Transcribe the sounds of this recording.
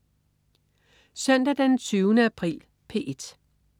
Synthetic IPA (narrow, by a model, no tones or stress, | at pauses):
sœn̰d̥æd̥ent͡sʰyːʊnəæpʰʁḭːl | pʰe̝̰ːʔed̥